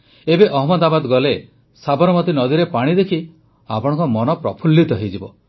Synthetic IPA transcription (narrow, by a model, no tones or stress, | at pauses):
ebeʔɔɦɔmɔd̪abad̪ɡɔle | sabɔɾɔmɔt̪inɔd̪iɾepaɽ̃id̪ekʰi | a̰pɔɽ̃ɔ̃ŋkɔmɔnɔpɾɔpʰulːit̪ɔɦed͡ʒibɔ